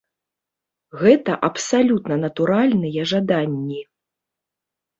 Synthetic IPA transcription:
ɣɛt̪ɐʔɐpsalʲut̪nɐnɐt̪uɾalʲnɨjɐʐad̪anʲːi

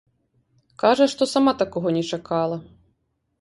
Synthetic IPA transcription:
kaʐɐʂt̪ɔsamat̪akɔɣɔnʲɛt͡ʂakʰalˠɐ

